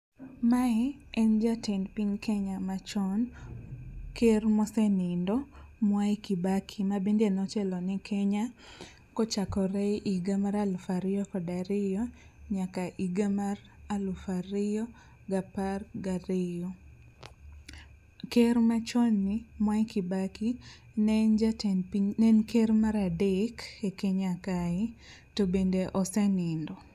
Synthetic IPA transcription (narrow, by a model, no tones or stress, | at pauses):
maɛɛnd͡ʒatɛnpiɲkʰeɲamat͡ʃɔn | kermɔsɛnɪndɔmwakibakʰimabindenɔt͡ʃɛlɔnɪkʰeɲa | kɔt͡ʃakɔɾɛʔiɡamaɾalfaɾɪjɔkɔdaɾɪjɔ | ɲakaʔiɡamar | alʊfaɾɪjɔ | ɡaparɡaɾɪjɔ | kermat͡ʃɔnːɪmwakibaki | nɛnd͡ʒatnpiɲnɛnkermaɾadɪkekeɲakaɪ | tobendeʔɔsɛnɪndɔ